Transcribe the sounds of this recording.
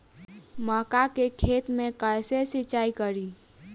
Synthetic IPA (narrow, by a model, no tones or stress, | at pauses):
məkakekʰet̪mẽkəjsesit͡ʃaikəɾi